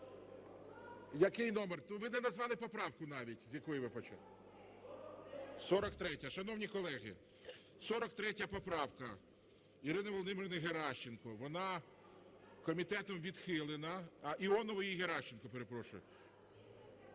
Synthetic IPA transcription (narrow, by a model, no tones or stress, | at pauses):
jɐkɪjnɔmernuʋɪnɛnɐzʋɑlˠɪpɔpɾɑwkʊnɑʋʲitʲzʲjɐkɔjiʋɪpɔt͡ʃɑ̰lˠ | sɔɾɔkt̪ɾɛtʲɐʃɐnɔwnʲikɔlˠɛɣɪ̰ | sɔɾɔkt̪ɾɛtʲɐpɔpɾɑwkɐ | iɾɪnɐʋɔlˠɔd̪ɪmeɾnɛɦeɾɑʃt͡ʃenkɔʋɔnɑ | kɔmʲit̪ɛt̪ɔmʋʲid̪xɪlˠenɐʔiɔnɔʋɔjiɦeɾɑʃt͡ʃenkɔpeɾe̞pɾɔʃʊ̰jʊ